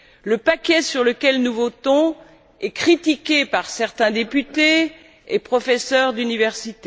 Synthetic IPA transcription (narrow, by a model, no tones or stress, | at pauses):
ləpakʲɛsyʁləkʲɛlnuvot̪ɔ̃ | ɛkχit̪ikʲepaʁsɛʁt̪ɛ̃d̪epyt̪e | epχɔfɛsœʁd̪ynivɛʁsit̪e